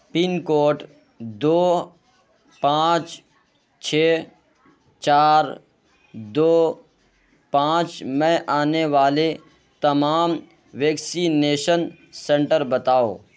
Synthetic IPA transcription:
pɪnkoːʈ | d̪oː | pãːt͡ʃ | t͡ʃʰeː | t͡ʃaːɾ | d̪oː | pãːt͡ʃmɛ̃ʔaːneʋaːle | t̪ɐmaːm | ʋeːksineːʃən | sɛ̃ɳʈəɾbɐt̪aːo̰ː

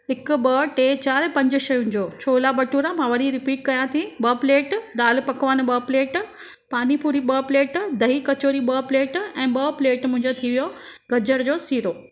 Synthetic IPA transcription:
ɪkʊɓɐʈeːt͡ɕaːɾpɐ̃ɲd͡ʑʊʃɐjunɪ̆d͡ʑoːt͡ɕʰoːlabɐʈuːɾamãʋɐɽiɾɪpiːʈ̚kɐjãt̪ʰĩɓɐpleːʈd̪aːlpɐkʋəːn̆ɓɐpleːʈ | paːnipuːɾiɓɐpleːʈd̪ɐɦikɐt͡ɕoːɾiɓɐpleːʈɛ̃ːɓɐpleːʈmʊ̃ɦɪ̃ɲd͡ʑot̪ʰiʋijoɡɐd͡ʑəɽd͡ʑoːsiːɾoː

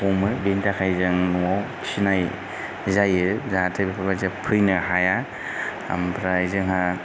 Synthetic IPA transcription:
ɔmɯbentakʰajzɯŋnuaw | sinaj | zajɯzatʰɯbipʰabazapʰɯjnɯɦaja | a̰mpʰɾajzɯŋɦa

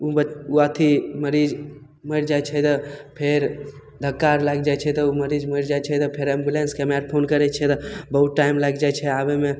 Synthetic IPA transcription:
uuat̪ʰiməɾid͡ʒ | məɾd͡ʒajt͡ʃʰɛt̪əpʰeɾ | d̪ʱəkːaɾlaɡ̚d͡ʒajt͡ʃʰɛt̪ɔuməɾid͡ʒməɾd͡ʒajt͡ʃʰɛt̪ɔpʰeɾɛ̃mbulenskɛmɾaɾpʰonkəɾɛt͡ʃʰɛt̪ɔbəɦut̪ʈajmlaɡd͡ʒajt͡ʃʰɛabeme

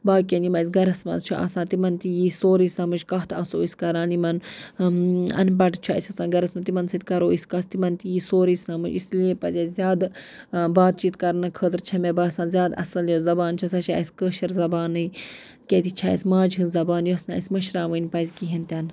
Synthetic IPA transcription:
baːkenimɐsʲɡɐɾɐsmɐ̰zt͡ʃʰuʔɐ̰sãːt̪imɐnt̪ijisoːɾiːsãːmɨd͡ʒkɐɦt̪ʰɐsoːisʲkɐɾaːnimɐn | ɐ̰np̬ɐʈt͡ʃʰasʲɐsãːɡɐɾɐsmɐt̪imɐnsɐt̪ʲkɐɾoːisʲkɐst̪imɐnt̪ijiːsoːɾiːsʲaːmud͡ʒisliẽːpɐzʲɐzʲaːd̪ | baːt̪̚t͡ʃiːt̪kɐɾnɐkʰəːt̪ɾt͡ʃʰɐmebaːsãːzʲaːd̪ɐ̰sɐljozɐbaːnt͡ʃʰɐsat͡ʃʰaːɐsʲkəːʃɐɾzɐbaːnɨi | kʲet̪it͡ʃʰaːḭsʲmaːd͡ʒɦɨ̃nzɐbaːnjuɐsnã̰ːɐsʲmɐʃɾaːʋənʲpɐzʲkiɦint̪ʲɐn

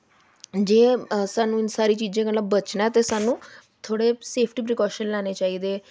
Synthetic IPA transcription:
d͡ʒẽːsaːnũːɪnsaːɾiːt͡ʃiːd͡ʒẽːkələbət͡ʃnaːt̪eːsaːnũː | t̪ʰoːɽeːseːpʰʈiːpɾɪkɔːʃənlaːneːt͡ʃaːiːd̪eː

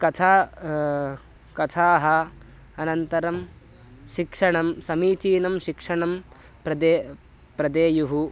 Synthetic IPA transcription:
kɐt̪ʰa | kɐt̪ʰaːɦɐ | ɐnɐnt̪ɐɾɐm | ʃikʂɐɳɐmsɐmiːt͡ʃiːnɐmʃikʂɐɳɐm | pɾɐd̪eː | pɾɐd̪eːjuɦu

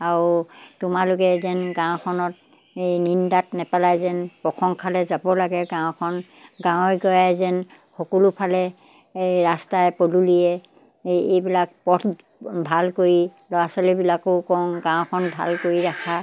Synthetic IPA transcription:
aɹtʊmalʊkɛzɛnɡãw̃kʰɔnɔt̚ | ejnindatnɛpalajzɛnpɹɔxʰɔŋkʰalɛzabɔlaɡɛɡãw̃kʰɔn | ɡãw̃ɔjɡɔjajzɛn | xɔkɔlupʰalɛ | ɹastajpoluliɛ | ejbilak̚pɔtʰ | bʱalkoɹilɔɹasɔlibilakɔkɔŋɡãw̃kʰɔnbʱa̰lkoɹiɹakʰa

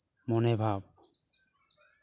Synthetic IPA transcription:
monebʱab

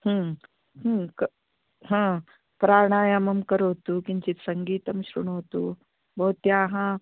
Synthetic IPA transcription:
hə | ɦəkə | ɦã | pɾaɳ̃ajəməmkəɾɦot̪ukiɲt͡ɕit̪səŋɡiːt̪əmɕɾṵɳ̃ɦot̪u | bəɦut̪jaɦã

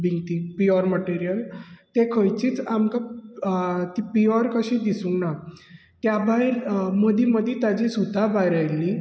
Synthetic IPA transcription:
biŋɡt̪ipiɔɾməʈiɾijəlt̪ekʰəjt͡ɕiːt͡samka | t̪ipiɔɾkəɕĩd̪isunna | k̪jabajɾməd̪iməd̪ʱit̪ad͡ʑisut̪abaɾajli

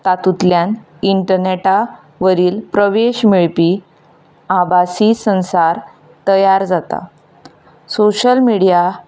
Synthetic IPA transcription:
t̪at̪ut̪ljan | iɳʈəɾneʈa | ʋəɾiːlpɾəʋeɕmiɭpiː | abasisə̃ñsaɾ | t̪əjaɾd͡zat̪a̰ | soɕəlmiɽija

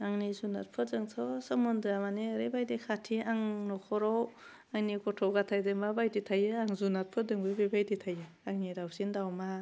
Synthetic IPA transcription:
aŋnizuna̰t̚pʰɯtzɯŋtʰɔsɔmɔndɯɾamaniɾebajdekʰatʰiaŋnɔkʰɔɾɔw | aŋnikɔtʰɔwɡatʰajdɯŋbabajditʰajɯaŋzunat̚pʰɯdɯŋbɯbebajditʰajɯ | aŋniɾawsindawma

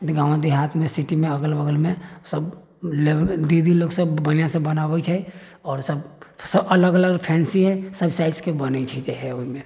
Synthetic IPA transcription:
ɡãːw̃d̪iɦat̪ʰmẽsiʈimẽəɡəlbəɡəlmẽsəb | led̪id̪iloːɡsəbːənijãsebənabət͡ʃʰɛ | ɔːɾsəbsəbələɡələɡpʰɛ̃nsiɦɛ̃səbsaɪʈskebənət͡ʃʰid͡ʒeɦɛoimẽ

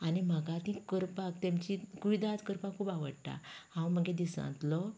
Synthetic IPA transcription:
anim̤əɡat̪ĩkəɾpakt̪amt͡ɕikuʋid̪ad͡zkəɾpakʰuːpaʋəɽʈ̪a̰hãw̃m̤əɡed̪isã̰nt̪lɔ

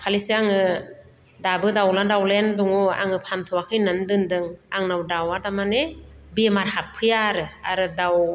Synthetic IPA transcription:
pʰalisɯaŋɯ | dabɯdawladawlenduŋua̰ŋɯpʰant̪ʰuakʰɯjnandɯndɯŋaŋnawdawadamanebemaɾhappʰːɯjaɾɯa̰ɾɯdaw

